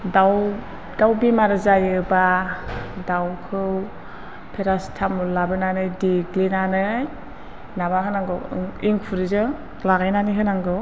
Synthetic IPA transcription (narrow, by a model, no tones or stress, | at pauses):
daw | d̥awbimaɾɯzajɯba | dawkʰɯw | pʰeɾastʰamulabɯnanɯjdiɡlinanɯj | nabaɦɯnaŋɡɯwŋiŋpʰuɾizɯ | laɡajnaniɦɯnaŋɡɯw